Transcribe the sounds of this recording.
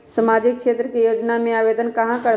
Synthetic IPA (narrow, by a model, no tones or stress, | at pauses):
səmaːd͡ʒɪkʃeːt̪ɾəkejoːd͡ʒnamẽaːbeːd̪ənkɐɦãkəɽ